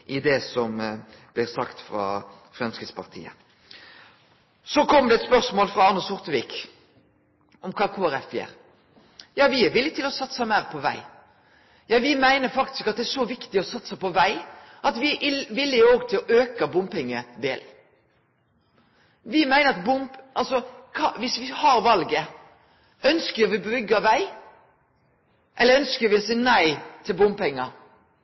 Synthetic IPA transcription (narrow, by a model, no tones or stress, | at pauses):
ʔɪd̪ɛsɔmblɪɾsɑ̰kt̪fɾɑ̰ | fɾɛmskɪt̪spʰɑ̰ʁt̪ʰḭːə̰ | sɔkʰɔmːəd̪ɛɛt̪spœʁsmoːlfʁɑɑʁnəsʊʁt̪əʋiːk | ɔmkʰɑːkʰoːæɾɛfjḛːɾ | jɑːʋɪɛʋɪlːɪt̪ʰɪlɔsɑt̪ːsæɪmæɪʁpʰɔʋæ̰ɪ | jɑːʋɪmæɪnəɾfɑkt̪ɪ̥skɑt̪̚d̪ɛæʂɔʋɪkt̪ɪɔsɑt̪ːsæɪpɔʋæɪ | ʔɑt̪ʋɪʔɪʋɪlːɪoːɡt̪ʰɪlɔʔøːkɑbʊmpɪŋːə̰d̪ḛːl | ʋɪmæɪnəɾɑt̪bʊmpʔɑlsɔkʰɑʋɪsʋɪhɑɾʋɑlɡə | œnskəɾʋɪbɾʏɡːɑʋæɪ | ʔɛlːəɾœnskəɾʋɪɔsiːnæɪt̪ʰɪlbʊmpɛŋːɑ